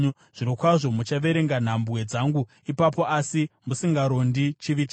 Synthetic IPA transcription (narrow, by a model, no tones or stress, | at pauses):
ʐ̥inokwaʐo̞mut͡ʃaʋe̞ɾe̞ŋɡan̤ambwe̞d͡zaŋɡu | ipapo̞asimusiŋɡaɾo̞ndit͡ʃiʋit͡ʃ